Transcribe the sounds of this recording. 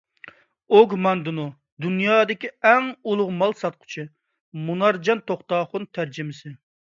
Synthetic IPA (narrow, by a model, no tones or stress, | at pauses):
oɡmɑnd̪ɨnu | d̪unjɑːd̪ɪkʲiɛŋulˠʊʁmɑlˠsɑt̪̚qʰʊ̥t͡ʃʰi | munɑɾd͡ʒɑnt̪ʰoχt̪ɑːχʊnt̪ʰæɾd͡ʒɪmɪsɪ